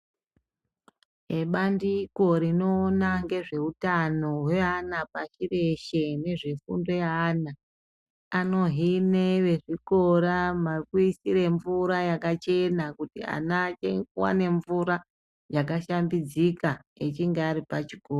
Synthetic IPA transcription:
eɓandiko̞ɾino̞ːnaŋɡe̞ʐe̞utano̞we̞anapaʃire̞ʃe̞ne̞ʐe̞fṵndo̞jana | ano̞ɦine̞ʋe̞ʐiko̞ɾamarikuisiɾe̞ɱvuɾajakat͡ʃe̞nakutia̰nat͡ʃewa̰ne̞ɱvuɾa | jak̬aʃambid͡zikaet͡ʃiŋɡeaɾipat͡ʃiɡ̥ʱoːro

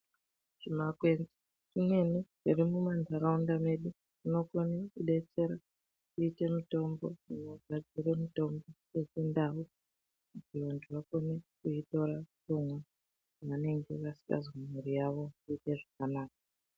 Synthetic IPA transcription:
t͡ʃimakwend͡zi | tine̞neʐirimumandʱaɾaundame̞ɗu | inokonekuɗe̞t͡se̞ɾa | kuite̞mito̞mbo̞̰unoɡʱad͡ziɾe̞mito̞mbo̞ | esindau | mutiʋantʰuʋako̞nekuito̞ɾatomwa | ʋane̞ŋɡe̞ʋasi̥ka̰zamuɾijaʋo̞kuite̞ʐakanaːk̚a

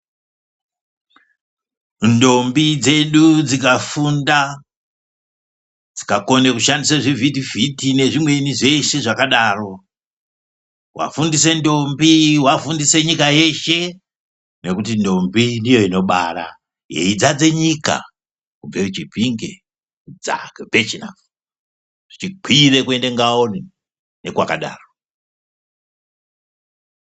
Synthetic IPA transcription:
ndo̞mbid͡ze̞ɗud͡zikafunda | d͡zi̥kako̞nekuʃandisaʐivitivʱitine̞ʐimwe̞niʐe̞ʃe̞ʐakaɗaːro̞ | wa̰fundise̞ndo̞mbiwafundise̞ɲikaje̞ʃe̞ | ne̞kut̬indo̞mbindijo̞ino̞ɓaɾa | je̞̰id͡zad͡ze̞ɲika̰ | kub͡veut͡ʃipiŋɡe̞ | d͡za̰kebet͡ʃina̰f | ʐ̥it͡ʃiǃʰʱire̞kwe̞nde̞ŋɡaoni | ne̞kwakaɗa̰ːro

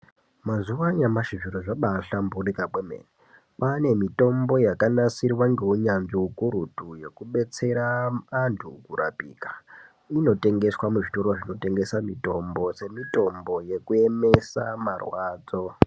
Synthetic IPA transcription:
mazuwaɲamaʃiʐiroʐaɓaɬamburikakwemḛːne | pane̞mito̞mbo̞jakanasirwaŋɡe̞uɲanɡiukuɾutuje̞kuɓe̞t͡se̞ɾaantʰṵkura̰pḭːkḁ | ino̞te̞ŋɡe̞swamuʐito̞ɾoʐino̞te̞ŋɡe̞samito̞mbo̞se̞mito̞mbo̞je̞kue̞me̞samarwaːd͡zo̞

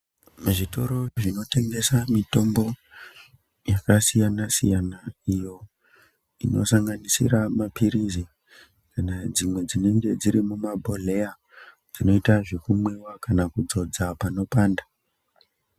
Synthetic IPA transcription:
muʐito̞ɾo̞ʐino̞te̞ŋɡe̞samito̞mbo̞ | jakasijanasḭjanaijo̞ | ino̞̰saŋɡanisḭɾamapiɾizi | kanad͡zimwe̞d͡zine̞ŋɡe̞d͡ziɾimumabʱole̞ja | d͡zino̞itaʐekumwewakanakud͡zo̞d͡zapano̞paːnda

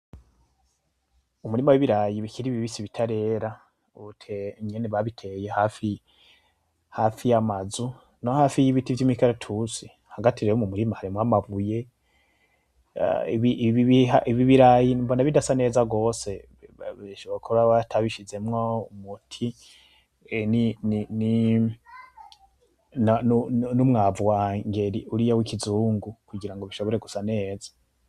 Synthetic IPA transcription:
umuɾimawiβiɾajiβikiɾiβiβisiβitʰaɾe̞ɾa | utʰemɲeneβaβitʰe̞jehafi | hafijamazu | nohaːfijiβitivjimikaɾetʰuzi | haɡatʰiɾejomumuɾimahaɾimŋwamaβuje̞ | ḭβiʔβiβihaʔiβiβiɾajinumbonaβidasane̞ːzaɡo̞ːse̞ | iʃoβakʰoɾaβatʰaβiʃize̞mŋoumutʰi | ninini | nanunumŋaːvuwaŋɡe̞ɾiʔuɾijawikizuːŋɡukuɡiɾaŋɡo̞βiʃo̞βo̞ɾeɡusane̞ːzḁ

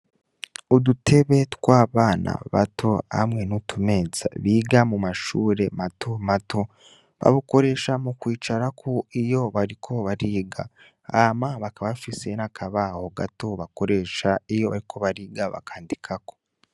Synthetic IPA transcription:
udutʰe̞βe̞twaːβaːnʔa̰βa̰tʰo̞a̰mŋe̞nutʰume̞ːza̰βiːɡamumaʃuːɾe̞matʰomatʰo | βa̰βuko̞ɾe̞ːʃamukwiːt͡ʃaɾakʰoijo̞βaɾikʰo̞βaɾiːɡa | amaβakaβafise̞nakʰaβahoɡato̞βako̞ɾe̞ːʃaijo̞βa̰ɾikʰo̞βaɾiːɡaβa̰kʰaːndikʰako̞̥

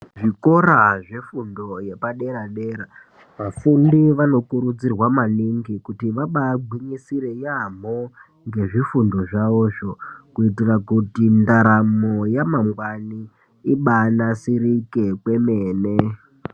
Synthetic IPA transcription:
ʐiko̞ɾaʐe̞fundo̞je̞paɗe̞ɾaɗe̞ːɾa | ʋafundiʋano̞kuɾud͡zirwamaniŋɡikutiʋaɓaɡʱwiɲisiɾe̞jamo | ŋɡe̞ʐifundo̞ʐaʋoːʐo̞kuitirakutindaɾamojamaŋɡwani | iɓanasiɾikekwe̞meːne

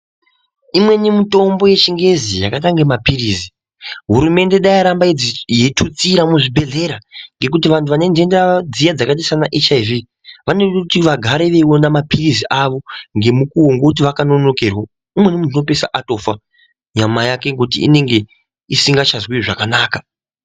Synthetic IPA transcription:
imwe̞nimito̞mboje̞t͡ʃiŋɡe̞zijakat̬aŋɡemapirizi | ɦuɾume̞nde̞ɗajiɾambajetʰut͡siɾamuʐibʱe̞ɮe̞ɾaŋɡe̞k̬ut̬iʋantʰuʋane̞nd͡ʒendead͡zijad͡zakat̬isanaʔet͡ʃaivi | ʋanekutiʋaɡʱaɾeʋe̞wonamapiriziʔaʋo̞ŋɡe̞mukuɦoŋɡokut̬iʋakano̞no̞kerwo | imwe̞nimunnopesa̰ʔato̞fa | ɲamajake̞ŋɡeut̬ḭḭne̞ŋɡe̞ | isiŋɡat͡ʃazwiʐakanaːka

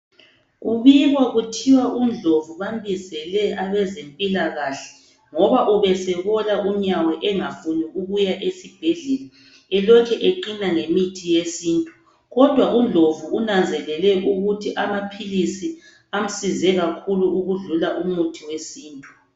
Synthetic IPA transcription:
uβiɣɔɣutʰiwaʔund͡ɮʱovuβambizɛlɛʔaβɛzempʼilaɣaɬɛ̥ | ŋɔβaʔuβɛsɛβɔlaʔuɲawɛʔɛŋafuniʔuɣujaʔesib̥ʱɛɮɛla | ɛlɔkʰɛʔeǃinaŋemitʰijesiːntʼu | ɣɔd̥ʱwaʔund͡ɮʱovuunand͡zʱɛlɛlɛʔuɣutʰiʔamapʰilisi | am̩sizɛɣakʰuluuɣuɮulaʔumutʰiwesiːntʼu

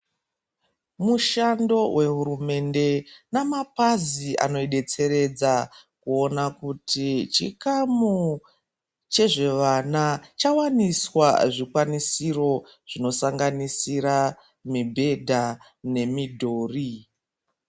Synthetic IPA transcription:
muʃando̞wʔe̞ɦuɾume̞nde̞namapaziʔa̰no̞iɗe̞t͡se̞ɾe̞d͡zakuo̞nakutʰit͡ʃikamu | t͡ʃe̞ʐe̞ʋanat͡ʃawaniswa̰ʐikwanisiro̞ | ʐ̥ino̞saŋɡanisiɾa | mibʱe̞dʱa | ne̞midʱo̞ːri

